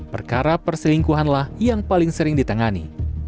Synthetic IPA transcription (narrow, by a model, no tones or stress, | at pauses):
pə̰rkaɾapərsəliŋkuɦanlahjaŋpalɪŋsəɾɪŋdit̪əŋanḭ